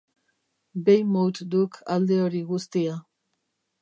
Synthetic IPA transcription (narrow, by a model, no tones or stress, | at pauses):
bejmowt̪d̪ukʰald̪e̞oɾiɣust̪ia